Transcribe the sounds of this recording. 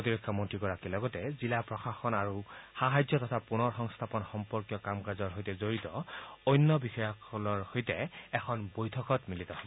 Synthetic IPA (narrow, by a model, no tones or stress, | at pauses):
otiɹekʰːɔmontʰɹikɔɹakilɔɡɔtɛzilapɹɔxaxɔnaɹuxaɦajzɔtɔtʰapunɔɹxɔŋst̪ʰapɔnxɔmpɔɹkjɔkamkazɔɹɦojtɛzoɹitɔojnːɔbixɔjɔkɔlɔɹhojtɛɛkʰɔnbojtʰɔkɔtmilitɔhɔbɔ